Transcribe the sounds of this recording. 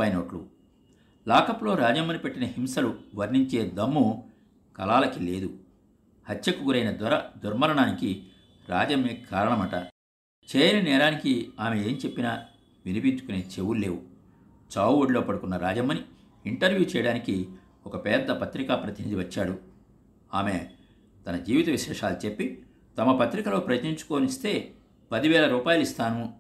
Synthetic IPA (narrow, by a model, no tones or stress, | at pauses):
ɐjnɐʈlṵ | laːkɐplo̞ːɾaːd͡ʒɐmːɐnipe̞ʈːinɐhimsɐluʋɐɾniɲt͡ʃe̞ːd̪ɐmːu | kɐlaːlɐkile̞ːd̪u | hɐt͡ʃːʃɐkuɡuɾɐjnɐd̪ɐɾɐd̪uɾmɐɾɐɳaːniki | ɾa̰ːd͡ʒɐmeːkʰaːɾɐɳɐmɐʈɐ | t͡ʃeːjɐnɐnɛːɾaːnikiaːmeeːmt͡ʃe̞pːinaː | ʋinipiɲt͡ʃukuneːt͡ʃewullːe̞ːwu | t͡ʃaːwuoɽilo̞ːpɐɽukunːɐɾa̰ːd͡ʒɐmɐni | iɳʈɐɾʋjuːt͡ʃɛjɐɽaːniki | ɔkɐpɛːɾd̪ːɐpɐt̪ɾikaːpɾɐt̪inid̪iʋɐt͡ʃːaːɽu | aːme̞ | t̪ɐnɐd͡ʒiːʋit̪ɐʋiʃɛːʂaːlut͡ʃe̞pːi | t̪ɐmɐpɐt̪ɾikɐlo̞ːpɾɐjɐt̪niɲt͡ʃu̥koːnist̪e̞ː | pɐd̪iʋɛːlɐɾuːpaːjulist̪aːnu